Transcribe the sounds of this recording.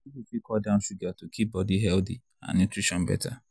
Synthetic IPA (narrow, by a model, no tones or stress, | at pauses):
ibifikʰɔdãnfiɡatokʰip̚bɔdiɦɛldḭ | ã̰nːutɹiʃɔ̃nbɛ̰tʰa